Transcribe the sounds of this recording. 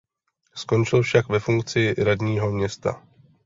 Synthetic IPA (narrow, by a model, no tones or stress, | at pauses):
sko̞nt͡ʃɪlfʃakvɛfuŋk̚t͡sɪɾadɲiːɦo̞mɲɛst̪a̰